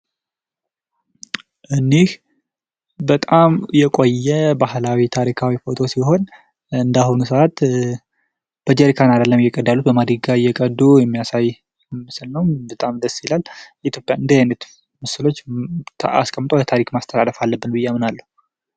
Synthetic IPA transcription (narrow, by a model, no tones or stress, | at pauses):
ʔɨnːeh | bət̪ʼamjɛkʼo̞jːɛbahlawit̪ʰaɾikʰawifo̞t̪ʰo̞siɦo̞n | ɨnd̪ahunusəat̪ | b̥əd͡ʒɛɾikʰanad̪əlːəmjɛkʼəd̪ːalːut̪bəmad̪ɾiɡajːɛkʼəd̪ːujɛmːijasaj | mɨsɨlnəwbət̪ʼamd̪əsjilaljɛit̪ʰjo̞pʼːjaɨnd̪ejajnət̪ | məsɨlo̞t͡ʃ̪ːʰ | a̰skʼəmːt̪ʼolət̪ʰaɾikmast̪ʰəlaləfalːəbːɨnbɨjːɛamɨnalːəhu